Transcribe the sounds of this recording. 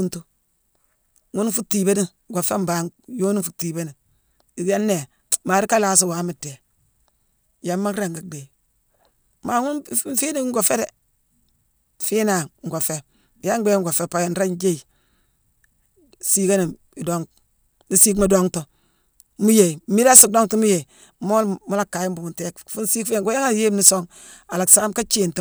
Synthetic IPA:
u˦ntu˦ | ŋu˦n˦fu˦tːi˨be˦ni˦˨ɡo˨fe˦m˦ba˨˦jo˦ni˦fu˨tːiː˨be˦ni˨ | i˨ja˦nːe˨ | maː˨ɾi˦ka˦laː˨s̬i˦wa˨˦mi˨te˨ | ja˦mːa˦kɾe˦˨ŋɡa˨de˨ | ma˨ŋu˦n˦fi˦ni˦ŋɡo˨fe˦ɾe˨ | fi˦na˨ŋ̩˨ɡo˨fe˦˨ | ja˦ŋ˦e˦ŋ˦ɡo˨fe˨pa˨je˨n˦ɾa˦nd͡ʒe˦i˨ | si˦ka˦ni˨ | i˨do˦ŋ | ni˦si˦kma˨do˦ŋto˨ | mu˦je˨mi˦ɾa˦si˦˨do˦ŋtu˦mu˦je˨ | mo˦lmu˦la˦˨kːa˨ji˦mbu˨mu˨nte˦kfu˦nsi˦kfŋɡo˦ja˦ŋa˦je˦mni˦so˦ŋ | a˨la˨ksa˦mka˦t͡ʃe˦˨nt

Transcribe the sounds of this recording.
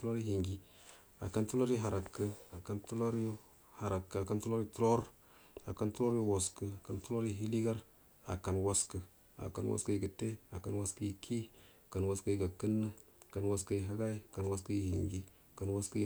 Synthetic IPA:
u˦o˦ɾi˦hi˨ŋɡi˨˦ | a̰˨ka˦ntu˦lo˦ɾi˦ɦa˨ɾa˨kːə˦a˨ka˦ntu˦lo˦ɾjo˦ | ha˨ɾa˨kːə˨a˨ka˦ntu˦lo˦ɾi˦tu˦ɾo˦ɾ | a˨ka˦ntu˦lo˦ɾjo˦wo˨skə˦a˨ka˨ntu˦lo˦ɾi˦ɦi˦li˦ɡa˦ɾ | a̰˨ka˨nwa˦skə˨ | a̰˨ka̰˨nwa̰˦skə˦ji˨ɡə˨te˦a˨ka˨nwa˦skə˦i˨kʰi˦˨ | ka˨nwa˨skə˦ji˨ɡa˨kə˦nːə˦˨ | ka˨nwa˦skə˦˨ɦa˦ɡa˦i˦˨ka˨nwa˦skə˦ji˨hḭ˨ŋɡi˦˨ | ka˨nwa˦skə˦

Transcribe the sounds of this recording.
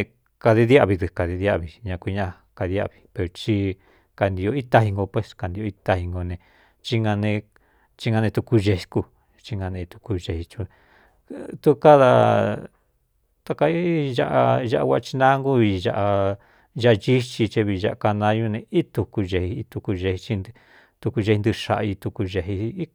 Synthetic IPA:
ka˧ði˧ðja˦˧˨βi˧ðɨ˧ka˨ði˧ða˦˧˨βi˧ɲã˧kʷi˧ɲã˦˧a˧ | ka˧ði˧a̰˦˧˨βi̥˧pe˧ɾo˧t͡ʃi˧ | ka˨nd̪i˧o˧i˦t̪a˧hi˧ŋɡo˧pwe˧ska˧nd̪i˧o˧i˧˦t̪a˧hi˧ŋɡo˧nẽ˧ | t͡ʃi˧ŋɡa˧nẽ˧ | t͡ʃi˧ŋɡã˧nẽ˧t̪u˧ku˧ʒe˧i˧ku˧ | t͡ʃi˧ŋɡã˧nẽ˧i˧t̪u̥˧ku˧ʒe˧hi˧t͡ʃũ˧ | t̪u˦˧ka˦ða˧ | t̪a˧ka˧i˦ʒa˦ʔa˧ʒa˦˧ʔa˧wʷa˦˧t͡ʃi˧nã˦ŋɡu˦βi˧ʒa̰˧ʔa˧ | ʒa˧ʔt͡ʃi˦t͡ʃi˧t͡ʃe˧βi˧ʒa˧a˧ka˧nã˧˦˧ju˧nẽ˧i˦t̪u˧ku˧ʒe˧hi˧t̪u˧ku˧ʒe˧hi˧t͡ʃi˧n˧ | t̪u˧ku˧ʒe˧i˧nd̪ɨ˧ʃa̰˧˨ʔa˧i˧t̪u˧ku˧ʒe˧ɦi˧i˦

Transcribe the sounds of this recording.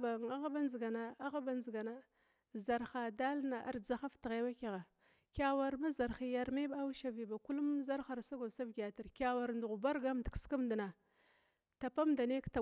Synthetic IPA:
ba˨ŋa˦ɣa˦ba˦nzi˨ɡa˨na˦a˦ɣa˦ba˦nzi˨ɡa˨na˦ | za˨ɾxa˨da˦lna˨ʔa̰˨ɾd͡za˦xa˦ftə˨ɣe˦wa˦ka˨ɣa˨ | kʲa˨wa˨ɾma˦za˨ɾxi˦ja˨ɾme˦ba˦wʃa˨vi˨ba˨ku˦lu˦mza˦ɾxa˨ɾsa˦ɡo˨sa˦vɡʲa˨ta˨ɾkʲa˨wa˨ɾndu˨ɣu˨ba˦ɾɡa˦mdə˨kska˦mdi˨na˨ | ta˨pa˦mda˨ne˦kta˨

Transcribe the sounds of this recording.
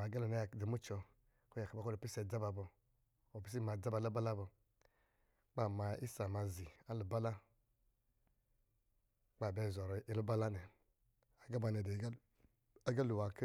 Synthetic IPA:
a˨ɡa˦lu˨na˦ja˨di˨mu˦t͡ʃɔ˨ | ko˦ja˨ka˨ba˦ko˦ɾo˨pi˦sɛ˨d͡za˦ba˨bɔ˨ | o˨pi˦s̬i˦ma˨d͡za˦ba˨la˦ba˦la˦bɔ˨ | k͡pa˦˨ma˨i˦sa˨ma˨zi˨a˦lu˨ba˦la˦ | k͡pa˦˨bɛ˦˨zɔ˨ɾɔ˨i˨lu˦ba˦la˦nɛ˨ | a˨ɡa˦ba˨nɛ˨de˨˦ | a˦ɡa˦lu˨wa˨k

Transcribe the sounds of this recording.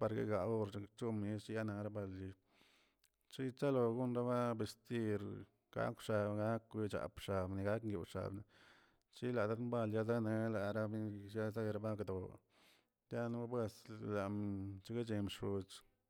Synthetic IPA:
pa˧ɾɡḛ˦ɡa˨o˦˧ɾt͡ʃt͡ʃu˦mi˦st͡ʃja˦na˧ɾa˦ba˧˨lji˧ | t͡ʃi˦t͡ʃa˦lo˧ɡu˦nɾa˦ba˦be˧st̪i˦ɾ | ɡ̥a̰˦kʂa˧bɡa˦kju˧t͡ʃa̰˨pʂa˨bni˧ɡa˦kŋɡjṵ˧˨ʂa̰˨bni˧ | t͡ʃi˦la˨d̪a˦d̪mba˧lja˧za˦ne˧la˨ɾa˦mi˦ja˦za˦˧ɾa˧ba˦kd̪o̰˨ | t̪ja˦na˦a˦bwe˧sla˨mt͡ʃi˦ɡe˦t͡ʃe˧mʂu˧t͡ʃ

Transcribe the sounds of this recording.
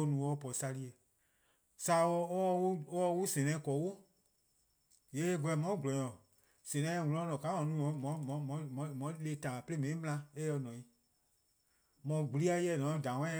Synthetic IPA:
o˧nũ˨ɔ˧˦pɔ˨sa˧li˦e˨ | sa˨˦ɔ˦u˦ɔ˦wu˦sɛ̃˨nɛ̃˧˦kɔ˨˦wo˦ | je˨˦e˦ɡɔ˧ɛ˨mɔ̃˨˦ɡu˨lɔ˨ɲɔ̃˨ | sɛ̃˨nɛ̃˨˦˧ŋũ˨˧lɔ̃˧˦lɔ̃˨ka˨˦mɔ̃˨˦nũ˨˦ɔ̃˨˦mɔ̃˨˦mɔ̃˨mɔ̃˨˦m̃˨˦mɔ̃˨˦le˧˦tãː˨pe˦le˦mɛ̃˨nĩ˦m̃˦˧ã˧e˦ɔ˧˦nɔ̃˨i˨ | mɔ̃˨ɡ͡bu˨li˦a˧˦jɛ˧˨nɔ̃˨˦dã˨wɛ̃˦

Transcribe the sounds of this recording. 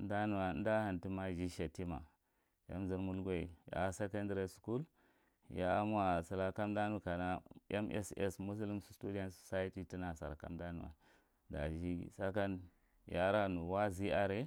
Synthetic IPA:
n˦da˦nu˨wa˨˦n˦da˦ha˨nti˦ma˦ʒi˦ʃa˨ti˦ma̰˨ | ja̰˦mzi˨ɾmu˦lɡʷe˨ḭ˨ja̰˨˦se˦ka˦ndɾe˨su̥˨ku˦l | ja̰˨˦m˦a˨sa˨la˦ka˦m˦da˦nu˨ka˨na˦e˦mʔḛ˦sḛ˦smu˦s̬u˦li˦msu̥˨˦stu˦da˦nsu̥˨sa˦i˦ti˦ti˦na˨sa̰˨ɾka̰˦mda˦nu˨wa̰˨ | da̰˨ʒi˦sa˦ka˦n | ja˦ɾa˦nu˨wa˦zi˦a˦ɾe˦

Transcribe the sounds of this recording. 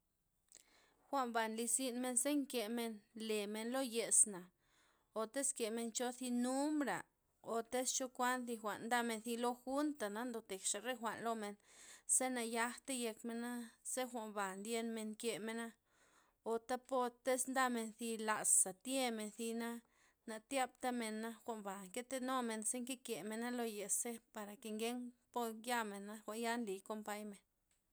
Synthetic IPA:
xʷa˧mba˨nli˧si˦nme˧nse˦ŋke˧me˧nle˨me˧nlo˦je˧sna˨ | o˨t̪e˦ske˨me˧nt͡ʃo˧θi˧nu˦mbɾa̰˨ | o˨t̪e˦st͡ʃo˦kʷa˦nθi˧xʷa˨ʔnd̪a˦˧me˧nθi˧lo˧xu˦nt̪a˨na˨˦nd̪o˨t̪e˨kʃa˨ɾe˦xʷa˨ʔnlo˧me˧nse˦na˧ja˧xt̪e˦je˧kme˧na˦ze˦xʷa˨mba˨nd̪je˧nme˧nkje˨me˧na˦ | o˨t̪a˦po˦˧t̪e˦snd̪a˦me˧nθi˧la˨sːa˨t̪je˦me˨nθi˧na˦ | na˨t̪ja˦bt̪a˦me˧nːa˦xʷa˨mba˨ŋke˦t̪e˦no˦me˨nse˦ŋke˦kje˨me˨na˦lo˧je˨se˦pa˨ɾa˨ke˨ŋɡe˦ŋpo˦ja˦me˨nːa˦xʷa˨nja˦nli˨ko˧mpa˦jme˨n

